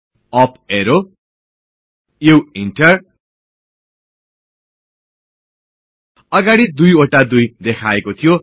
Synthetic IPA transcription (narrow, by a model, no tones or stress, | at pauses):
ʌp̚ʰeɾo | jewiɳʈʌr | ʌɡaɽid̪ujoʈad̪ujd̪ekʰaekot̪ʰijo